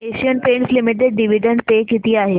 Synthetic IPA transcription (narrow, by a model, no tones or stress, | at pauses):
eʃijənpẽːɳʈslimɪʈ̬eɖːiʋiɖəɳɖt̪ekit̪iaːɦe